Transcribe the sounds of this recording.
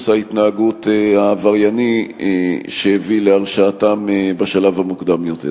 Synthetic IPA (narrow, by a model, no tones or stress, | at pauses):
sait̪naːɡutehavaʁjani | ʃeevileaʁʃaːtambaʃalavhamukd̪amjot̪ḛ